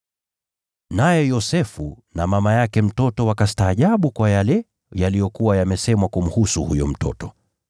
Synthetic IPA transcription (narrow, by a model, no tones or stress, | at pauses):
najɛjɔsɛfu | namamajakɛm̩tɔtɔwakastaːʄaɓukwajalɛ | jalijɔkuwajamɛsɛmwakum̩husuhujɔm̩tɔ̰tɔ